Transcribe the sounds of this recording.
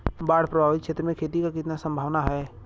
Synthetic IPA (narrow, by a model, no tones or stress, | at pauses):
baːɽ̤pɾəbʱaːʋɪt̪̚kʃʰeːt̪ɾəmẽkʰeːt̪ikakɪt̪nasə̃mbʱaːʋnaɦɛː